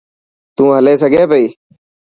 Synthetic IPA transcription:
t̪ũːɦəleːsəɡʱeːpəiː

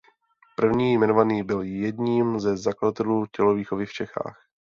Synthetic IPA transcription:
pr̩vɲiːjmɛnovaniːbɪljɛdɲiːmzɛzaklaat̪ɛluːcɛloviːxovɪft͡ʃɛxa̰ːx

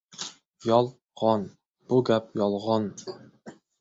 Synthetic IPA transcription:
jɑlˠ | ʁɑn | b̥uɡʲɛp̚jɑlˠʁɑn

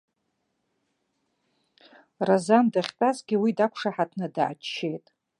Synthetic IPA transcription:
razandaχʲt͡pʼazɡʲɪwidakʷʰʂaħatʰnɨda̰ʕːt͡ʃt͡ʃʰːe̞jtʼ

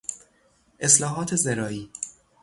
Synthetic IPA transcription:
ʔeslɒːɦɒːt̪ʰezeɾɒːiː

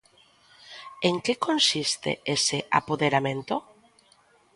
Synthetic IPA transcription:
eŋkekonsist̪ḛeseʔa̰poðeɾamẽnt̪o

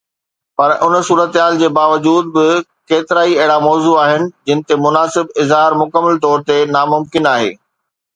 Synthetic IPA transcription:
pɐɾʔʊnəsuːɾət̪ɦaːld͡ʑeːbaːʋɐd͡ʑuːd̪̚bɪ | keːt̪ɪɾaːiɐɦɪɽamɔːzuaːɦɪnɪ̆d͡ʑɪ̃nɪ̆t̪emʊnaːsɪbɪzɦaːɾmʊkəmːəlt̪ɔːɾt̪enaːmʊmkɪnaːɦḛː

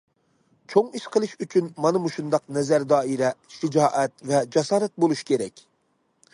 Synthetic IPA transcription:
t͡ʃʰoŋiʃqʰəlˠɨʃyt͡ʃʰynmɑnɨmuʃund̪ɑqnɛzæɾd̪ɑːiɾɛʃɪd͡ʒɑːʔɛt̪vɛd͡ʒɑsɑːɾɛt̪̚bolˠuʃkʲʰeɾɛkʲ

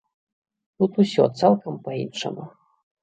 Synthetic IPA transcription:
t̪ut̪usʲɔ̰t̪salˠkɐmpaḭnʂɐ̰mu

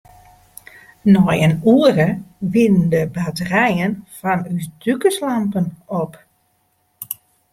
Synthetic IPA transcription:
nɔjənuərəʋɪnəndəbatərɛjənfɔnysdykəslampənop

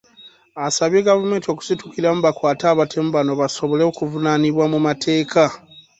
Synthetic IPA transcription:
asaβje̞ːɡavume̞ːntio̞ku̥situkiɾamuβakwaːtaːβatʰe̞mubano̞βaso̞βo̞leokuvunaniβwamumatʰe̞ːkʰa

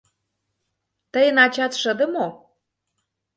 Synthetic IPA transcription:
t̪əjə̆nɑt͡ɕɑt̪ʃə̆d̪ə̆mo

